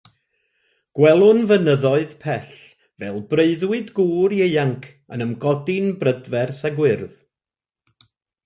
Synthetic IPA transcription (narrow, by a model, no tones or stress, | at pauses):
ɡ̥wɛlˠʊnvənəðɔɨðpʰɛɬ | vɛlˠbreɨðwɨdɡuːɾjeɨaŋkʰ | ənəmɡɔdɪnbrədvɛrθaɡwɪrð